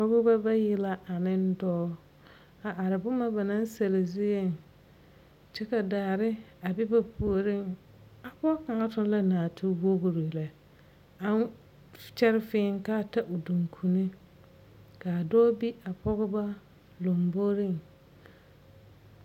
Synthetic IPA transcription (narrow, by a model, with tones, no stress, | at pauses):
pɔ˦ɣʊ˦ba˦ba˦jɪ˦la˦ʔa˨nɪ̃˦n˦dɔː˦ | a˨ʔa˨ɾɪ˨bʊ˦ma˦ba˨nã˦n˦sa˨lɪ˨zʊ˦je˦˨n | t͡ʃɪ˦ka˨daː˨ɾɪ˦a˨bɪ˦ba˦pu˨o˨ɾɪ˦˨ŋ | a˨pɔ˦ka˨ŋa˦tʊ˦n˦la˦naː˨tʰu˦wo˦ɣu˨ɾi˨lɛ˨ | a˦ | t͡ʃɛ˦ɾɪ˦fɪː˦ŋ˦ka˦˨ta˦ʔʊ˨du˨ŋkʰu˨ni˦ | ka˨dɔː˦bi˦a˨pʰɔ˦ɣʊ˦ba˦ | lo˨mbo˦ɾɪ˦˨ŋ